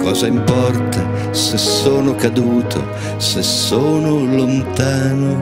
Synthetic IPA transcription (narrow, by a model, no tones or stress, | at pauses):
kɔːzaimpɔrt̪a | sesːoːnokad̪uːt̪ʰo̰ | sesːoːnolont̪aːno